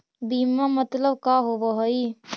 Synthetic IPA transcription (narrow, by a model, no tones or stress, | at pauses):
biːmamət̪ləbkaːɦoʋaɦoi